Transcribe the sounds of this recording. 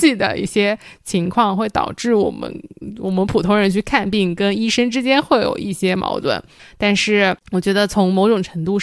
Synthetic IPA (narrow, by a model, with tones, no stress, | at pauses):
t͡ɕi˥˩d̪ə̰˩ḭ˥˩ɕjɛ˥t͡ɕʰi˧˥ŋkʰwɑ˥˧ŋxwe˥˩ɪt̪ɑ̰˨˩ʊʈ͡ʂɻ̩˥˩wɔ̰˨˩mə̰˧˦nwɔ˨˩mə˦npʰu˨˩t̪ʰʊ˧˥ŋɻə˧˥nt͡ɕʰy˥˧kʰa˥˧npi˥˩ŋkə˥ni˥ʂə˥ŋʈ͡ʂɻ̩˥t͡ɕjɛ˥nxwe˥˩ɪjo̰˨˩ʊʔi˥˩ɕjɛ˥mɑ̰˧˥ʊt̪wə̰˥˩nt̪a˥˧nʂɻ̩˥˩wɔ˨˩t͡ɕɥɛ˧˥d̪ə˧t͡sʰʊ˧˥ŋmo˨˧˥ʊʈ͡ʂʊ˨˩ŋʈ͡ʂʰɤ˧˥ŋt̪u˥˧